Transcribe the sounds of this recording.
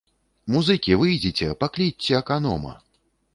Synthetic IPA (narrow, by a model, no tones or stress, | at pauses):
muzɨkʲivɨjd͡zʲit͡sʲɛpaklʲit͡sʲːɛɐkanɔ̰mɐ̰